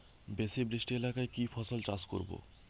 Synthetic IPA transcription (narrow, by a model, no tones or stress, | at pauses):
besebɾisʈelakaekifʰɔsolt͡ɕasko̰ɾbo̰